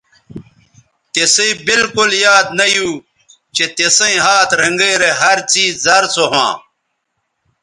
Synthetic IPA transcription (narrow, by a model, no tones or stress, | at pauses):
t̪esĩbilkuljaːd̪nɐjuː | t͡ɕet̪esɐ̃ĩɦaːt̪ɾɐŋɡeːɾeɦɐɾt͡siːzɐɾt͡soɦã̰ː